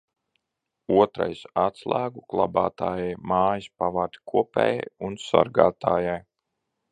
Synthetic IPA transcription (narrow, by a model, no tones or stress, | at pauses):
uɔt̪ɾa̰jsat̪slˠæːɡuklˠa̰ba̰ːt̪aːjajmaːjispavad̪i̥kʰuɔpʲɛ̰ːja̰junsa̰ɾɡaːt̪aːjaj